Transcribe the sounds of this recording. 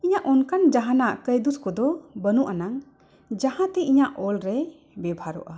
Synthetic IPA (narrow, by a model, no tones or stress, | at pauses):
iɲaʔɔnkand͡ʒaɦanaʔkəjd̪uskɔd̪ɔbənuʔanaŋ | d͡ʒahãt̪ɛiɲaʔɔlɾɛ | bɛbʱaɾɔ̰ʔa